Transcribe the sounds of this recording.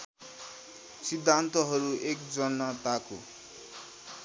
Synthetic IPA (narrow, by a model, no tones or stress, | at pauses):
sid̪ʱːant̪ʌɦʌɾuek̚d͡zʌnːat̪ako̰